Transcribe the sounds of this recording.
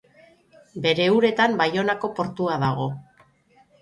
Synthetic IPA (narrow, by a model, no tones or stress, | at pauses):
be̞ɾe̞uɾe̞t̪ambajo̞nako̞po̞ɾt̪uaðaɣ̞o̞